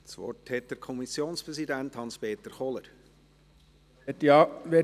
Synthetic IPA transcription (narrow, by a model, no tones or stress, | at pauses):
t͡sʋɔ̰rthɛt̚d̥əɾkʰɔmisjoːnspɾɛszidænthɑnspeːt̪əɾχɔləɾ | ɛt̪iɑʋe